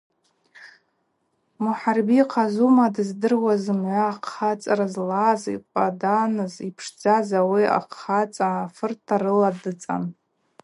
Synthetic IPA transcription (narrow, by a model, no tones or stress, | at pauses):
muħarbiqʰazumadɨzdɨrwazɨmʕʷaːqχat͡sʼaɾazlazḭqʷʼadanɨzipʰʂd͡zazawia̰qʰːat͡sʼaːfɨrtʰaɾɨladɨt͡sʼa̰n